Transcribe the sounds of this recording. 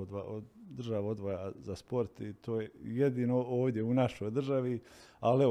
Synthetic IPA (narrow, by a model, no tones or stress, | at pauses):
od̪ʋaod̪r̩ʒaʋod̪ʋojazaspo̞ɾt̪t̪ʰo̞ːjejed̪iːnooːʋd̪ʲjeunaʃo̞jd̪r̩ʒaʋiale